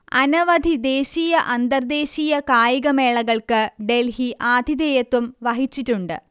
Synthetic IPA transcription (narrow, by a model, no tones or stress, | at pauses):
ɐnɐʋɐd̪ʱid̪eːɕiːjɐʔɐnd̪ɐrd̪e̞ːɕiːjɐkaːjiɣɐme̞ːɭɐɣɐɭkɨɖe̞lhiʔaːd̪ʱid̪eːjɐt̪ːumʋɐɦit͡ɕːiʈːuɳɖɨ̰